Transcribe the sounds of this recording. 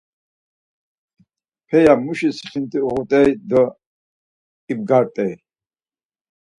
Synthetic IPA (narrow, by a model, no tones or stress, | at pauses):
pʰɛjamuʃisi̥χint̪ʼiuʁut̪ʼɛjd̪ɔ | ib̚ɡaɾt̪ʼɛj